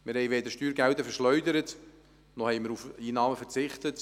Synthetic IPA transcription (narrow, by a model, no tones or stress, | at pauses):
mɪɾhɛɪʋeːdəʃtyːɾɡɛldəfɛʃlœʏdəɾət | nɔhɛjmɪɾufiːnɑːməfət͡sɪχtət